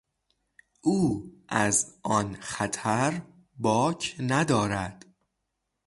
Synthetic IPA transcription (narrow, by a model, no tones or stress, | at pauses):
ʔuːʔæzʔɒnxæt̪ʰæɾ | bɒːcʰnæd̪ɒːɾæd̪̥